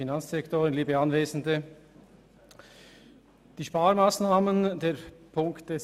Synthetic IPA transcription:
inant͡sd̥ɛktoːʁənliːbəanveːzn̩də | d̥iːʃpaːɾmaːsnaːməndeːpʰʊŋkt̚d̥es

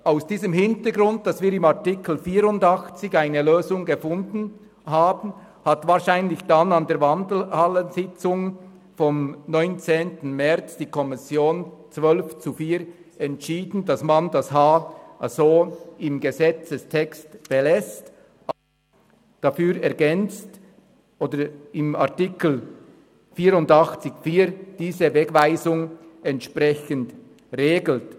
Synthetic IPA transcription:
aʊsd̥iːzəmɦɪntəɡɾʊnt̚d̥ɑsviːɾɪmaʁtɪkl̩fiːɾʊndɑxt͡sɪçaɪnəløːzʊŋɡəfʊndn̩ | haːbn̩ | hatvaːʁʃaɪnlɪçd̥anandeːɐvandl̩halənzɪt͡sʊŋ | fɔmnɔʏnt͡seːntn̩mɛʁt͡sd̥iːkʰɔmɪsjoːnt͡svœlft͡sufiːɾ | ɛntʃiːdn̩dasmandashaːʔazoːɪmɡəzɛt͡səstʰɛkstb̥elɛst | d̥afyːɾɛɐɡɛnt͡st | ʔoːdəɪma̰ɐtɪkl̩ | fiːɾʊndɑχt͡sɪçfiːʁd̥iːzəvɛɡvaɪzʊŋɛntʃprɛçənd | ʁeːɡl̩t

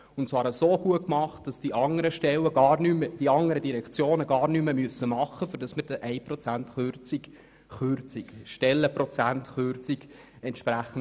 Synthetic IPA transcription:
ʊntsʋɑːɾəsoːɡ̥uətkmɑχt̚d̥ɑsd̥iʔɑŋəɾəʃtɛwəɡɑːrnyməd̥iɑŋəɾədiɾɛkt͡sjoːnəɡɑːɾnyməmyəsːəmɑχːəfyɾd̥ɑsməɾdɛʔɛɪpɾɔt͡sæntχørt͡sik | χørt͡sikʃtɛlːəpɾɔt͡sæntχørt͡sik | ɛntʃpɾæχən̩

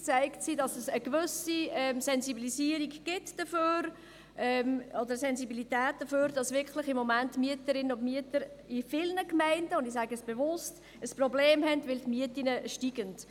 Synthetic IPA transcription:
t͡sæɪktsidɑsɛsəkʋʏsiɛmsɛnzibilisiːəɾiɡɡ̥ɪtd̥əføːɾ | ʔɛmɔdəɾsɛnzibilitæːt̚d̥əføːɾdɑsvɪkʰlɪχɪmːɔmæntːmyətəɾɪnənʊndmyətəɾɪfɪlnəkmæɪndəʊndisæɡəəsb̥evʊst | əsprɔbleːmhɛndʋɪltmiətinəʃtiɡənd̥

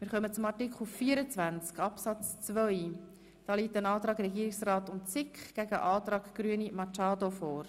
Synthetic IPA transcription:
mɪːɾχœmət͡sʊmɑtɪkχluffiːəɾət͡svænt͡skɑpsɑt͡st͡svœj | d̥ɑːliːtənɑːt̪ɾɑːɡɾɛɡiːɾɪksrɑːtʊntt͡sɪkχɡ̥æɡəʔɑːtɾɑːkɡ̥ɾyənimɑt͡ʃɑːdofɔːɾ

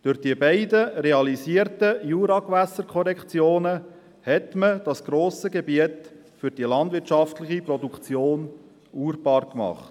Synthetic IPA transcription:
d̥ʏɾd̥iəbɛɪdəreɑlisiːəɾtəjuːɾɑkʋæsːəɾkʰɔɾɛkt͡sjoːnə | hɛtməd̥ɑsɡ̥ɾoːsəɡebiət | fʏɾd̥ilɑnd̪vʋɪɾtʃɑftlɪχipɾɔdukt͡sjoːn | uːɾb̥ɑːɾkmɑ̰χt

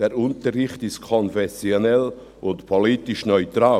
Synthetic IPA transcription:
d̥eɾʊntəɾrɪχtɪstkʰɔnfɛsjonɛl | ʊntpʰoliːtɪʃnœʏtɾaː

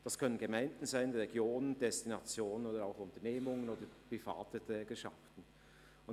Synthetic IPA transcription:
d̥ɑskʰœnənɡəmaɪnd̥n̩zaɪnʁɛɡjoːnəndɛstinɑt͡sjoːnənoːdəɾaʊxʊntəɐneːmʊŋənoːdəpʁifa̰ːtətɛːɡəʃa̰ftn̩ | ʊn

